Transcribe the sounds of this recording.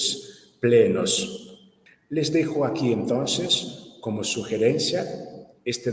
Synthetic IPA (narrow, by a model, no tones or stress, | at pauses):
s | plenos | lezðexoakient̪onseskomosuxeɾenθja | est̪e